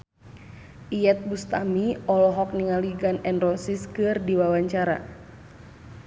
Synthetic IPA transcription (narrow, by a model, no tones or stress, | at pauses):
ʔiɛt̪̚bust̪amiʔɔlɔɦɔk̚niŋaliɡanɛnrɔsiskɨrdiwawaɲt͡ʃaɾa̰